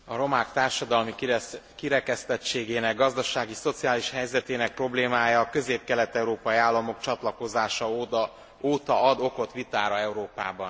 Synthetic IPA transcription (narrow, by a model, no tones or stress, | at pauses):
ɒɾo̞maːkt̪aːrʃɒd̪ɒlmikiɾɛkɛst̪ɛt͡ʃeːɡeːnɛɡːɒzd̪ɒʃaːɡiso̞t̪sijaːliʃhɛjzɛt̪eːnɛk̚pro̞bleːmaːjɒːkø̞zeːp̚kɛlɛt̪ɛuɾoːpɒjiaːlːɒmo̞kt͡ʃɒt̪lɒko̞zaːʃɒ | oːt̪ɒɒd̪o̞ko̞t̪ʋit̪aːɾɒɛuɾoːpa̰ːbɒn